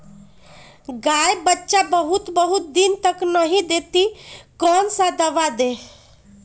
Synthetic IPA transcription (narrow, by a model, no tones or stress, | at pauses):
ɡajbətːʃabəɦut̪bəɦut̪̚d̪int̪əknəɦĩd̪et̪ikɔnsãd̪əʋad̪e